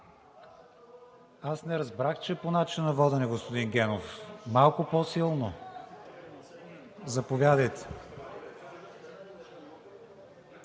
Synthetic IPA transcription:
asnɛɾɐzbɾaxt͡ʃɛponat͡ʃinɐvɔd̪ənɛɡospod̪inɡʲɛnofmalˠkʊpɔsilˠno | zɐpovʲad̪əjt̪ɛ̥

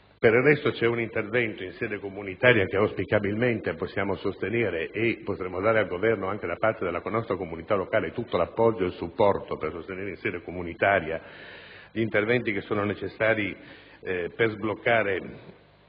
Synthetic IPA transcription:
peɾirrːɛst̪ot͡ʃɛunint̪ervɛnt̪oinsɛːd̪ekomunit̪aːɾjak̟eawspikabilment̪eposːjaːmosost̪eneːɾeʔːpːot̪ɾɛmːod̪aːɾealɡovɛrnoaŋk̟ed̪apart̪ed̪elaknɔst̪ɾakomunit̪alokaːlet̪ːut̪ːolapːɔd͡ʒːoelsupːɔrt̪opersost̪eneːɾeinsɛːd̪ekomunit̪aːɾja | ʎiːnt̪ervɛnt̪ikesːoːnonet͡ʃesːaːɾi | perzblokːaːɾe

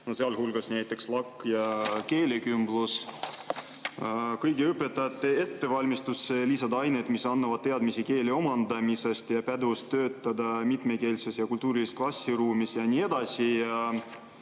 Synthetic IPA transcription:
nose̞ɑlhulɡ̥ɑsnæjt̪ːˑe̞kslɑkːjɑke̞ːlʲekymblus | kɤjɡeɯpːˑe̞t̪ːˑɑjɑt̪ːˑee̞t̪ːe̞vɑlʲmist̪usːelisɑd̪ɑɑjne̞d̪misɑnːɑvɑd̥̪̚t̪e̞ɑd̪misike̞ːlʲeo̞mɑnd̪ɑmise̞st̪jɑpæd̪ust̪ːø̞ːt̪ːˑɑd̪ɑmit̪meke̞ːlsesjɑkult̪uːɾilist̪klɑsʲːiɾuːmisjɑnʲiːe̞d̪̥ɑsijɑ

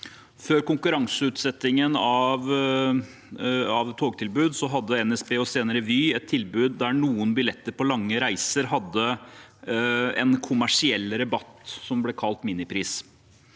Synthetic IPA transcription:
føːɾkʊŋkʉɾɑŋsəʉːt̪sɛt̪ːɪŋənɑʋ | ɑʋt̪ʰoːɡt̪ʰɪlbʉːd̪sɔɦɑd̪ːəɛnɛsbeːɔseːnəɾəʋyːɛt̪ʰːɪlbʉːd̪ːæɳuːənbɪlɛt̪ːəɾpɔlɑŋːəɾæɪsəɾɦɑd̪ːə | ɛ̰nkʰʊmæʂɪɛlːɾɛbɑt̪ːsɔmblɛkʰɑlt̪miːnɪpʰɾiːs

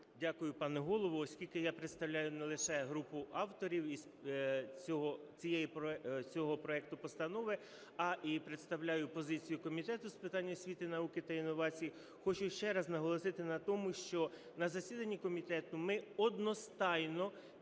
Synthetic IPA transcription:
dʲakʊjʊpɑnɛɦɔlˠɔʋɔɔsʲkʲilʲkɪjapɾet̪st̪ɐwlʲajʊnɛlˠɪʃɛɦɾupʊʔɑwt̪ɔɾʲiwis | t͡sʲɔɦɔt͡sʲijɛjipɔt͡sʲɔɦɔpɾɔɛk̚t̪ʊpɔst̪ɐnɔʋɪ | ɐʔipɾet̪st̪ɐwlʲajʊpɔzɪt͡sʲijʊkɔmʲit̪ɛt̪ʊspɪt̪ɑnʲːɐsʲʋʲit̪ɪnɐukɪt̪ɐinːɔʋɑt͡sʲiji | xɔt͡ʃʊʃt͡ʃɛɾɐznɐɦɔlˠɔsɪt̪ɪnɐt̪ɔmʊʃt͡ʃɔ | nɐzɐsʲid̪ɐnʲːikɔmʲit̪ɛt̪ʊmɪɔd̪nɔst̪ɑjnɔ

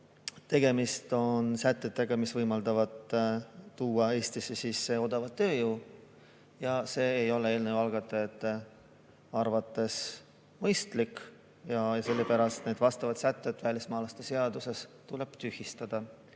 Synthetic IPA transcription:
t̪e̞ɡe̞mist̪o̞nsæt̪ˑːet̪ːˑe̞ɡ̥ɑmisvɤjmɑld̪̥ɑvɑt̪ | t̪uːɑe̞ːst̪isisisːe̞o̞d̪̥ɑvɑd̪t̪ːø̞ːjuː | jɑse̞ːjo̞le̞e̞ːlnevɑlɡ̥ɑt̪ːˑeet̪ː | ɑrvɑt̪ːˑe̞s | mɤjst̪lik | jɑjɑse̞lːe̞pæɾɑst̪ne̞d̪̥vɑst̪ɑvɑd̪sæt̪ːˑet̪ːvælʲismɑːlɑst̪e̞se̞ɑd̪use̞st̪ule̞b̥t̪yhist̪ɑd̪̥ɑ

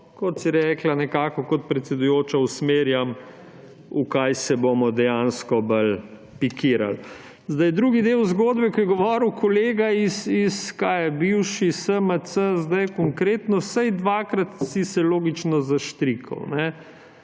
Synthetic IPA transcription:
kɔt̪siɾɛːklanɛkaːkɔkɔt̪̚pɾɛt̪sɛd̪ʊjoːt͡ʃausmeːɾjam | ukajsɛbomɔd̪ɛjanskɔbəl | pikʰiːɾa̰l | zd̪ajd̪ɾuːɡid̪ewzɡoːd̪bɛkɔjɛɡɔʋɔːɾwkʰɔleːɡaisiskaːjɛbiwʃisəmət̪səzd̪ajkɔŋkɾeːt̪nɔsajd̪ʋaːkɾat̪sisɛloːɡit͡ʃnɔzaʃt̪ɾikʰɐ̰wnɛ

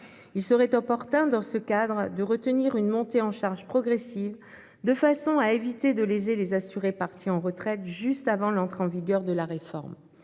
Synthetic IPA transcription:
ilsəʁɛt̪ɔpɔʁt̪ɛ̃d̪ɑ̃səkad̪ʁd̪əʁət̪əniʁynmɔ̃t̪eɑ̃ʃaʁʒpχɔɡʁɛsiv | d̪əfasɔ̃aevit̪ed̪əlezelezasyʁepaʁt̪ʰiɑ̃ʁət̪χɛt̪ʒyst̪avɑ̃lɑ̃t̪χeɑ̃viɡʲœʁd̪əlaʁefɔ̰ʁm

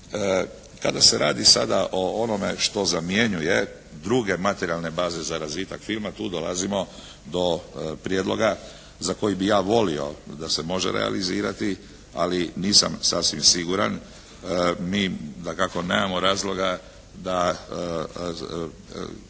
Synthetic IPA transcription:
ə | kad̪ase̞ɾaːd̪isad̪aʔo̞ono̞me̞ʃt̪o̞zamjeɲuje | d̪ɾuɡe̞mat̪eɾialˠne̞baːze̞zaɾazʋiːt̪akfilmat̪uːd̪o̞la̰zimo̞ | d̪o̞pɾjeːd̪lo̞ɡa | zako̞jibijaːʋo̞lio̞̰d̪ase̞mo̞ʒḛɾḛa̰liziːɾat̪i | a̰liniːsa̰msasʋimsiɡuɾan | miːd̪akako̞ne̞ːmamo̞ɾaːzlˠo̞ɡa | d̪a

